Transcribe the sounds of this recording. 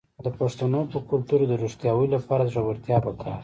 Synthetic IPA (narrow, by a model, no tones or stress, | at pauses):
d̪əpaʂt̪anopəkʊlt̪uɾod̪əɾuʂt̪jɑwəlapɑɾad̪əʐabəɾt̪jɑbəkʰaɾ